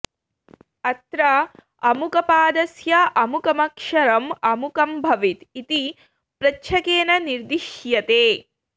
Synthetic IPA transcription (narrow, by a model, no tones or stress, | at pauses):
ɐt̪ɾɐ | ɐmukɐpaːd̪ɐsjɐʔɐmukɐmɐkʂɐɾɐmɐmukɐmbʱɐʋit̪it̪i | pɾɐʃʰɐkeːnɐniɾd̪iʃjɐt̪eː